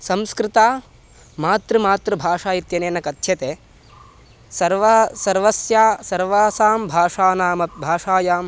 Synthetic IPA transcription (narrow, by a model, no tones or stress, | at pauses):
sɐmskɾɪt̪aː | maːt̪ɾɐmaːt̪ɾɐbʱaːʂaːjit̪jɐneːnɐkɐt̪ʃʰɐt̪eː | sɐɾʋasɐɾʋɐsjaːsɐɾʋaːsaːmbʱaːʂaːnaːmɐbʱaːʂaːjaːm